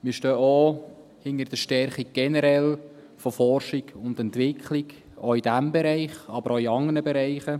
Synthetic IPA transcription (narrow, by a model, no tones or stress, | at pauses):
mɪːɾʃtøːʔo | hɪnəɾd̥əʃtɛɾχi̥ɡ̥ɛnɛɾɛl | fɔfɔrʃiɡʊnd̪ɛnt̪ʋɪkʰlik | oid̥æmbɛɾæɪχɑbəɾoiɑŋənəbɛɾæɪχə